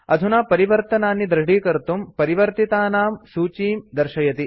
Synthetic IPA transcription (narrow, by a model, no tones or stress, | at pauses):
ɐd̪ʱunaːpɐɾiʋɐɾt̪ɐnaːnːid̪ɾɐɖiːkɐɾt̪umpɐɾiʋɐɾt̪it̪aːnaːmsuːt͡ʃiːmd̪ɐɾʃɐjɐt̪i